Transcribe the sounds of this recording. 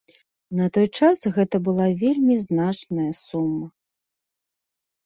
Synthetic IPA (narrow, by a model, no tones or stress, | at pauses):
nɐt̪ɔjt͡ʂasɣɛt̪ɐbɨlˠavʲelʲmʲiznat͡ʂnɐjɐsumːɐ